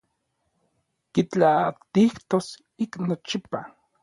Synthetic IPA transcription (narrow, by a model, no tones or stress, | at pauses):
kit͡ɬat̪iht̪os | iknot͡ʃipa